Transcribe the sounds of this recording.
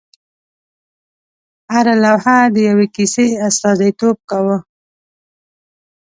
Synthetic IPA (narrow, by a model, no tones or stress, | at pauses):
haɾalawhad̪əjawekiseast̪ɑzijt̪ob̚kawə